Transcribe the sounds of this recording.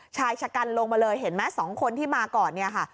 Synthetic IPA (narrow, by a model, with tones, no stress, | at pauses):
t͡ɕʰaː˧jt͡ɕʰa˧ka˧nlo˧ŋmaː˧lɤː˧jɦe˩˦nmɛː˦˥sɔː˩˦ŋkʰo˧nt̪ʰiː˥˩maː˧kɔː˨˩nːi˥˩ɐkʰa˥˩